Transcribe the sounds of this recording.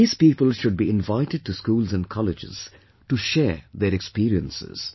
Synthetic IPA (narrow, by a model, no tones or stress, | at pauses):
iːz̥piːpəlʃʊɖ̚biɪ̃nvaɪʈɪɖ̚ʈuskuːlzæ̃n̚kʰɑlɪd͡ʒɪ̰z̥ | ʈuʃɛːɾd̪eɾɛkspiːɾiə̰̃nsɪ̰z̥